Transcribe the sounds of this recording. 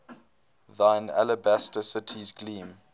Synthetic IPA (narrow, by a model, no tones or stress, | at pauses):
ðãɪna̰ləbæstəsɪtʰizɡlĩːm